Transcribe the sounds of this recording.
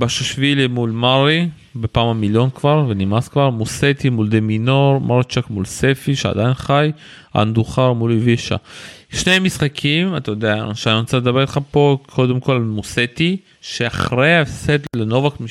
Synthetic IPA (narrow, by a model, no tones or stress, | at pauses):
baʃeʃvilimulmaʁi | bepaːmamiljo̞nkvaʁvenimaskvaʁmuset̪imuld̪eminoʁmʔaʁit͡ʃakmulsefiʃea̰d̪ajinχaj | a̰nd̪uχaʁmuliviʃa̰ʃnemisχakʰimat̪ajod̪eaʃeaninot͡saled̪abe̞it̪χapo̞kʰo̞d̪emko̞lalmuset̪i | ʃeaχʁeaefset̪leno̞vakmi